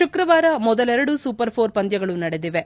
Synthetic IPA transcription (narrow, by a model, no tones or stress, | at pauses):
ʃukɾɐʋaːɾɐmɔd̪ɐlɛɾɐɽusupɐɾpʰoːɾpɐnd̪jɐɡɐɭunɐɽed̪iʋe